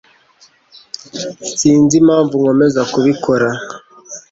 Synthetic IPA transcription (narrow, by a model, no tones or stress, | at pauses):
siːnzimaːɱvuŋomezakuβikʰoɾa